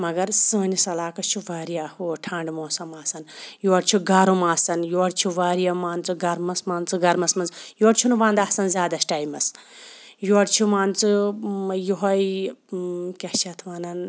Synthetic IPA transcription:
mɐɡɐɾsɨːnisɐlaːkɐt͡ʃʰuʋaːɾijahoʈʰaːɳɖmoːsɐmaːsɐnjoːɽt͡ʃʰuɡɐɾumaːsɐnjoːɽt͡ʃʰuʋaːɾijamaːnt͡sɨɡɐɾmɐsmaːnt͡sɨɡɐɾmɐsmɐnzjoːɽt͡ʃʰunubãːnd̪asɐnzʲjaːd̪ɐsʈaːjmɐs | joɽt͡ʃʰumaːnt͡sɨ | juɦɐj | kʲɐht͡ʃʰɐt̪ʰʋɐnɐn

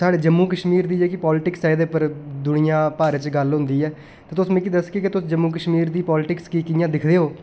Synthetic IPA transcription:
saːɽeːd͡ʒəmːuːkəʃmiːɾd̪iːeːkɪpɔːlɪʈɪksɛːd̪eːpəɾd̪ʊɳɪjãːpaːɾet͡ʃɡəlɦʊ̃nd̪iːɛː | t̪ẽːt̪ʊsmẽːkid̪əskekɪt̪ʊsd͡ʒəmːuːk̬əʃmiːɾd̪iːpɔːlɪʈɪkskiːkɪjãːd̪ɪkʰd̪eːɦoː

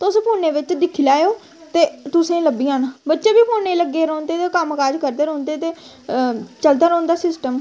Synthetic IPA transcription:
t̪ʊspʰuːnːeːʋɪt͡ʃd̪ɪkʰilaːjoː | t̪eːt̪ʊsẽːləbiːãːnabətːʃeːbiːpʰoːnːeːləɡeːɾoːnt̪eːt̪ekəməkaːd͡ʒkəɾd̪eːɾõːnd̪eːt̪eː | t͡ʃəld̪aːɾəːnd̪aːsɪsʈəm

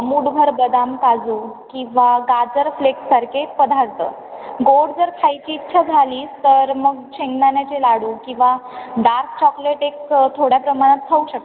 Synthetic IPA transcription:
muːɽbʱəɾbəd̪amkad͡zuːkĩw̃ʋaɡad͡zəɾfleksaɾkepəd̪ʱaɾt̪ə̰ː | ɡoɽd͡zəɾkʰajt͡ɕiːtːɕʰad͡zʱaliːst̪əɾməɡt͡ɕeŋɡnanjat͡ɕelaɽuːkĩw̃ʋaɖaɾt̪̚ʰt͡ɕɔkleʈekst̪ʰoɽjapɾəmaɽ̃at̪̚t̪ʰəuɕək̚t̪

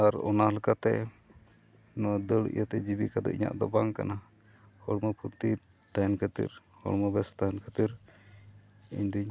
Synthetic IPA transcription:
aɾɔ̰nahlɛkat̪ɛ̰ | nɔd̪əɭḭjat̪ɛd͡ʒibikad̪ɔ̰ʔiɲa̰ʔd̪ɔbaŋka̰na | hɔɽməpʰuɾt̪i | t̪ajnkʰət̪ḭɾhɔ̰ɽmɔbɛst̪ajɛnkʰət̪iɾ | ḭɲd̪uɲ

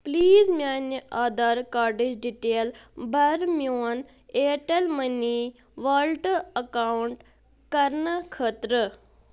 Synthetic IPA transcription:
pliːzmʲjaːnəʔaːd̪aɾkaːɾɖed͡ʒɖiʈeːlbʱɐɾmjoːn | eːʈelmɐni | ʋalʈɐkawɳʈ | kɐɾnəkʰət̪ɾə

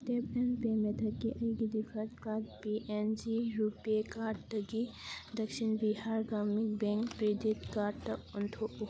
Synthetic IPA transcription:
t̪eplenpemet̪ʰɐkːiʔɐjɡid̪ipʰɐtkat̚piʔend͡ʒiɾupekaɾɖtɐɡid̪ɐksinbihaɾɡamik̚beŋkpɾid̪it̪kaɾtɐunt̪ʰoʔu

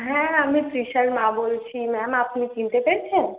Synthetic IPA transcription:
ɦɛ̃amipɾiʃəɾmabolt͡ɕʰimɛmapnikint̪epeɾt͡ɕʰen

